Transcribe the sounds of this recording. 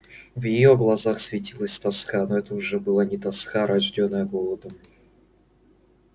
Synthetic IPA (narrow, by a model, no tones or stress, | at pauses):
vjɪjo̞ɡlˠɐzaxsvʲɪtʲilˠəsʲt̪ɐskanoɛt̪əʊʐɛbɨlˠanʲɪt̪ɐskaɾɐʐdʲonːəjəɡolˠəd̪əm